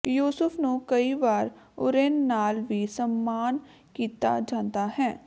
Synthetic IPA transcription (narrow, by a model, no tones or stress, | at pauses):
juːsʊfʰnũkəiʋaːɾʊ̰ɾeːnːaːlʋisəmːaːn | kiːt̪a̰d͡ʒãːnt̪aɦɛ̃ː